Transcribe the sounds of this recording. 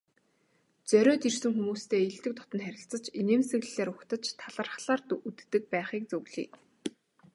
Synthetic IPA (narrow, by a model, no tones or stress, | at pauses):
t͡sœɾʲœːt̪irsɘ̆ŋxumuːst̪ʰeːiɮt̪ɘ̆k̚t̪ʰɔ̥t̪ɞ̆nχæɾʲɪ̆ɬt͡sə̆t͡ɕineːmsɘ̆ɣɮ̆ɮeːɾʊkt̪ə̆t͡ɕt̪ʰaɮə̆rχɮaːrt̪ut̪ːɘ̆k̚pæːχiːk̚t͡suɣɮḭː